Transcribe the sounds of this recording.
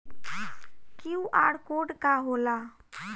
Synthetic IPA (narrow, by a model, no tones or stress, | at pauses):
kiũʔaːɽkoːɖkaɦoːlaː